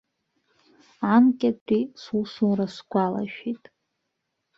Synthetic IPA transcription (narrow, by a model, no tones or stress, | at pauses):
ankʲʼatʰʼisusumrasɡʷala̰ʃᶣitʼ